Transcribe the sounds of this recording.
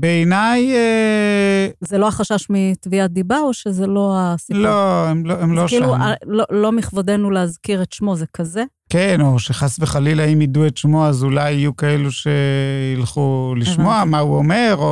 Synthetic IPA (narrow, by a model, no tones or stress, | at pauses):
beenaje | zeloaχaʃaʃmit̪viat̚d̪ibaoʃezelo̞asiloemloemloilualolo̞miχvade̞nuleazkiʁetʃmo̞zekʰaze̞ | keno̞ʃeχasveχalilaimiduetʃmoazulajijukaeluʃe̞ilχuliʃmoamauome̞ʁo